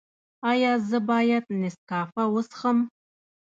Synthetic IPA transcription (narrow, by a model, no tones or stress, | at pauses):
aːjaːzɨbaːjat̪neskaːfɐwʊsχəm